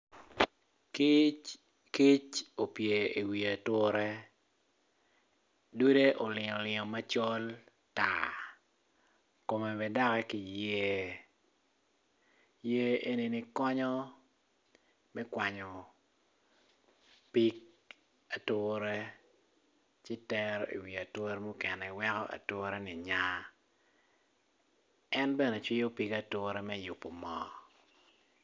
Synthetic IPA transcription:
ki | ki˦t͡ʃo˨pje˨e˨wi˨a˨tʊ˦ɾɛ˦ | du˦de˦ʔɔ˨lɪ˨ŋɔ˨lɪ˨ŋɔ˨ma˦t͡ʃɔ˦l | ta̰˨ | ko˨me˨bɛ˨da˦kɛ˦ki˨je˦ | je˦ʔe˦ni˨ni˦kɔ˦ɲɔ˦ | mɛ˦kwa˨ɲɔ˨ | pi˦k̚ | a˨tʊːɾɛ˦ | t͡ʃɪ˦tɛ˦ɾḭ˨wi˨a˨tʊ˦ɾɛ˦mo˦kɛ˨nɛ˨wɛ˦kɔ˦ʔa̰˨to˦ɾɛ˦nɪ˨ɲa˦ | ɛ˦nbɛ˦ne˨t͡ʃwɪ˦jo˦pi˦ka˨tʊ˦ɾɛ˦mɛ˦jʊ˨pːo˨mɔː˦

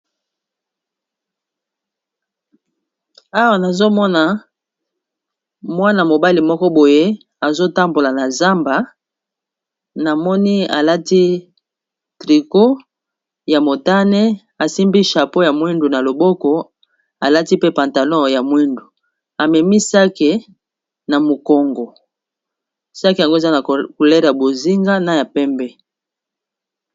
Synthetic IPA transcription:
a˦wa˨na˨zo˦mɔ˦na˨ | mwa˦na˨mo˨ba˦li˨mɔ˦kɔ˦bo˨je˦ | a˨zo˦ta˦mbo˨la˨na˨za˦mba˨ | na˨mɔ˦ni˦a̰˨la˦ti˦ | tʁi˨ko˦ | ja˨mo˨ta˦nɛ˦ | a˨si˦mbi˦ʃa˨po˦ja˨mwi˦ndu˨na˨lo˨bɔ˦kɔ˨ | a˨la˦ti˦pe˦pã˨nta˨lɔ̃˦˨ja˨mwi˦ndu˨ | a˨mɛ˨mi˦sa˦ke˨ | na˨mo˨kɔ˨ŋɡɔ˨ | sa˦ki˨ja˨ŋɡo˦e˨za˦na˨ku˨lɛ˦ʁja˨bo˨zi˦ŋɡa˦na˦ja˨pɛ˦mbɛ˦

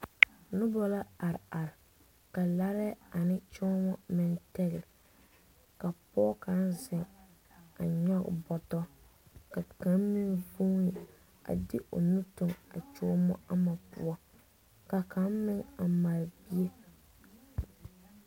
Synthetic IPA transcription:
nʊ˦bɔ˦la˦a˨ɾɪ˨a˨ɾɪ˨ | ka˨la˦ɾɛ˦a˨nɪ˦t͡ʃɔ˦mɔ˦mɪ˨ntɛ˦ɣɪ˨l | ka˨pɔː˦ka˨˦nzɪ˨ŋ | a˨ɲɔ˦ɡ̰bɔ˨tɔ˦ | ka˨ka˨˦mmɪ˦ŋvu˦ɪ˨ | a̰˨dɪ˦ʔo̰˨nu˦tʊ˨ŋa˨t͡ʃɔ˦mɔ̰˦a˦ma˨pṵ˦ɔ˦ | ka˨kʰa˨˦mmɪ˦ŋa˨ma˨ɾbi˦e˦

